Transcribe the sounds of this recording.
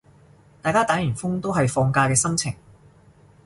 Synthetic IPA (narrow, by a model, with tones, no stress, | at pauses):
t̪aː˨jkaː˥t̪aː˨˥jyː˨˩nfʊ˥ŋt̪o˥wɦɐ˨jfɔː˧ŋkaː˧kɛː˧sɐ˥mt͡sʰɪ˨˩ŋ